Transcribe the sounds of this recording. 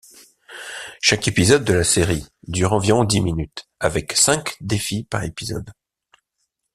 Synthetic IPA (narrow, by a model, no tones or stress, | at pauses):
ʃakepizɔd̪ːəlaseʁid̪yʁɑ̃viʁɔ̃d̪iminyt̪avɛksɛ̃kd̪efipaʁepizɔ̰d̪